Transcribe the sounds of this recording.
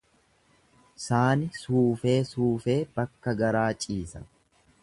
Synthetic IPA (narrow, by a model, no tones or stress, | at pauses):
saːnɪsuːfe̞ːsuːfe̞ːbɐkːɐɡɐɾaːt͡ʃʼiːsɐ̥̰